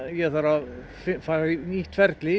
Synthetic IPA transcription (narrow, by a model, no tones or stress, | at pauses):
jɛθaɾa | fɪfainiːt̪ʰfɛɾt̪lɪ